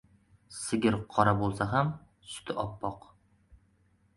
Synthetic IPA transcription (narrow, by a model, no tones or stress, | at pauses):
sɪɡʲɪɾqʰɒɾabolˠsaɦam | sʊ̥t̪ʰɪʔɒpːɒq